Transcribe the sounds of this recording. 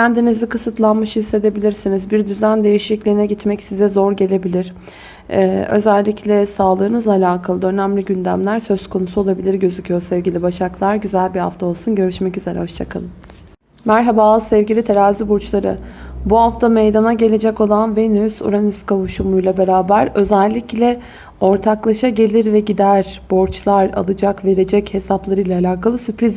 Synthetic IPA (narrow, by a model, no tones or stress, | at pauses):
cʰænd̪inizikʰɯsɯt̪lˠanmɯʃhisːe̞d̪e̞bilʲiɾsinizbiɾd̪yzænd̪e̞jiʃiclʲiːnɛɟit̪mɛcsizɛzo̞ɾɟe̞lʲe̞bilʲiɾ̥ | ø̞̰zælʲːicʰlʲɛsaːlˠɯːnɯzlˠaːlʲaːkʰalˠɯø̞næmlʲiɟynd̪æmlʲæɾsø̞z̥kʰo̞nusuo̞lˠabilʲiɾɟø̞zycʰyjo̞sɛvɟilʲibaʃaklˠaɾɟyzælʲbiha̰ft̪ʰao̞lˠsunɟø̞ɾyʃmɛcyze̞ɾɛ̰ho̞ʃt͡ʃʰakʰalˠɯm | mæɾɦabazsɛvɟilʲit̪ʰeɾaːzibuɾt͡ʃlˠaɾɯ̰buɦaft̪ʰamejd̪anaɟe̞lʲe̞d͡ʒɛco̞lˠanvenysṵɾanyskʰavuʃumujlˠabe̞ɾaːbæɾø̞zɛlʲːiclʲɛ | o̞ɾt̪ʰaklˠaʃaɟe̞lʲiɾvɛɟid̪æɾb̥oɾt͡ʃlˠaɾa̰lˠɯd͡ʒakve̞ɾe̞d͡ʒɛche̞saplˠaɾɯjlˠaːlʲaːkʰalˠɯsypɾiz